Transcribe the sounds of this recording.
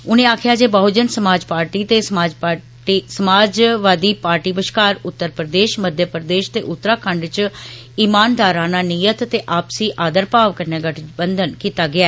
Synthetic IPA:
ʊnẽːaːkʰɪjaːd͡ʒeːbəɦd͡ʒənsəmaːd͡ʒpaːɾʈiːt̪eːsaːd͡ʒa | isəmaːd͡ʒʋaːd̪iːpaːɾʈiːbəʃkaːɾʊt̪ːəɾpɾəd̪eːʃməd̪ʱjəpɾd̪eːʃt̪ḛːʔʊt̪ːəɾaːkʰəɳɖt͡ʃ | iːmaːnd̪aːɾãːnaːniːjət̪ːeːʔaːpsiːʔaːd̪əɾpaːʋkəɾnẽːɡəʈʰbənd̪ənkiːt̪aːɡɪaːɛ

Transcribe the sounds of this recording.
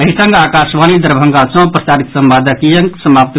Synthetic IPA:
əɦisəŋɡakasʋanid̪əɾbʱəŋɡat͡ʃɐ̃w̃pɾəsaɾit̪səmbad̪əkijəŋksəmap̚t̪

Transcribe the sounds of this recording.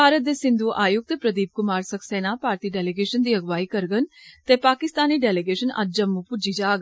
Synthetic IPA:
bʱaːɾət̪̚d̪eːsɪ̃nd̪uːʔaːjʊk̚t̪pɾəd̪iːp̚kʊmaːɾsəksɛːnaːpaːɾt̪iːɖɛːleɡeːʃənd̪iːəɡʋaːiːkəɾɡənt̪eːpaːkɪst̪aːniːɖɛːleɡeːʃənɐ̰d͡ʒ̚d͡ʒəmːupʊd͡ʒiːd͡ʒaːɡ

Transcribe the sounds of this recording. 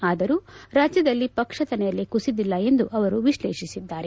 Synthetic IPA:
aːd̪ɐɾuːɾaːd͡ʒjɐd̪ɐlːipɐkʂɐt̪ɐnɛjɐlːikusid̪ilːɐe̞nd̪uʔɐʋɐɾuʋiʃleːʃisid̪ːaːɾe̞

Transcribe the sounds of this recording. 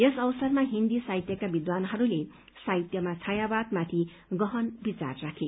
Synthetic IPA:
jesʌwsʌrmaɦind̪isajt̪jʌkabid̪wanɦʌɾule | sajt̪jʌmat͡sʰajabad̪mat̪ʰi | ɡʌɦʌnbit͡sa̰rːakʰe

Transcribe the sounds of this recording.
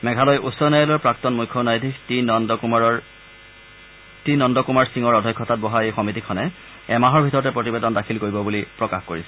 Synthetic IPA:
mɛɡʱalɔjʔusːɔnajɔlɔɹpɹak̚tɔnmujkʰːɔnajdʱikt | tinɔndɔkumaɹsiŋɔɹɔdʱɔjkʰːɔtat̚bɔɦaejxɔmitikʰɔnɛ | ɛmaɦɔɹbʱitɔɹɔtɛpɹotibedɔndakʰilkoɹibɔbulipɹɔkaxkoɹisɛ̥

